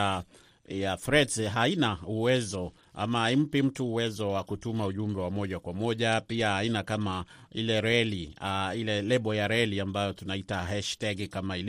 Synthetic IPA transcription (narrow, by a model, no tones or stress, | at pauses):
jafɾɛdsɦainauwɛzɔ | ʔa̰maaim̩pim̩tuːwɛzɔwakutumauʄumbɛwamɔʄakwamɔʄapiahainakamailɛɾɛliailɛlɛɓɔjaɾɛliambajɔtunaitaɦɛʃtɛɡkamail